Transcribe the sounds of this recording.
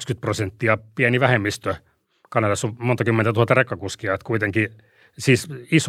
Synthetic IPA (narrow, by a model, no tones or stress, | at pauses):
kskyt̪̚prosent̪ːiɑpiæniʋæhemːist̪ø | kɑnɑlɑsomont̪ɑkymːent̪æt̪uhɑt̪ːɑrekːɑkuskiɑet̪kuit̪eŋki | siːsis